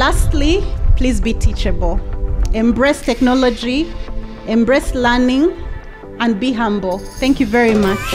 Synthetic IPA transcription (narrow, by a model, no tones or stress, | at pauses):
lastlipʰlizbitʰit͡ʃɨbəl̩ˠɛ̃mbɹɛstʰɛknɔlɔd͡ʒi | ʔɛ̃mbɹɛslɜ˞nɪ̃ŋ | ə̃n̚biɦãmbl̩ˠθɛ̃ŋkjuvɛɹimat͡ʃ